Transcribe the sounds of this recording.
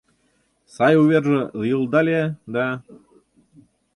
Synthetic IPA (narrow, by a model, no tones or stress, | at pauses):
sɑjuβerʒə̆ɤjəlˠd̪ɑlʲed̪ɑ